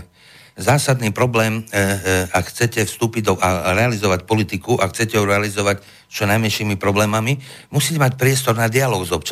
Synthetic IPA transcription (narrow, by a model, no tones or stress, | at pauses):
zaːsad̪niːpɾɔblɛːm | akxt͡sɛcɛfst̪uːpiɟd̪ɔʔaɾɛalizɔʋacpɔlit̪ikuʔaxt͡sɛcɛɦuɾɛalizɔʋac | t͡ʃɔnajmɛnʃiːmipɾɔblɛːmamimusiːcɛmacpɾɪɛst̪ɔɾnad̪ialɔːɡzɔp̚t͡ʃ